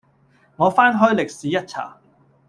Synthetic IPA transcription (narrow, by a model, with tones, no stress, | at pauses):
ŋɔː˨˧faː˥nɦɵ˥jlɪ˨k̚siː˨˦jɐ˥t̚t͡sʰa̰ː˨˩